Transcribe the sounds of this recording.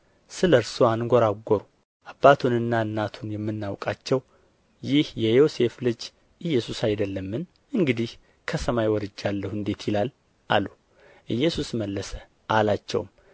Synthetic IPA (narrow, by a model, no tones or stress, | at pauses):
sɨləɾsoanɡɔɾaɡʷːoɾu | ʔabːat̪ʰunɨnːaɨnːat̪ʰunjɛmːɨnːawkʼat͡ʃːɛw | jɪhjɛjo̞se̞flɨd͡ʒ | ʔɨjːɛsusajd̪əlːəmːɨn | ɨŋɡɨd̪ih | kʰəsəmajwɔɾɨd͡ʒːalːəhɨnd̪e̞t̪jɪlal | ʔa̰lu | ʔɨjːɛsusməlːəsə | ʔalat͡ʃːɛ̰wm